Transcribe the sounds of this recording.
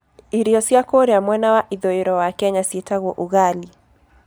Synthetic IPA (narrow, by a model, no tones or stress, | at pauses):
iɾijɔsiakoɾijamwɛnawaʔiðɔɛɾɔwakɛɲasiɛtaɣwɔʔuɣali